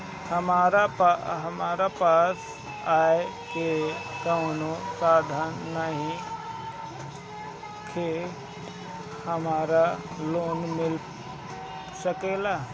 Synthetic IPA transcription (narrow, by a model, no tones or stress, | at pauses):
həmaːɾapaɦəmaːɾapaːs | aːekekəʊ̃nosaːd̪ʱanːəɦĩ | kʰe | həmaːɾa | loːnmɪl | səkelaː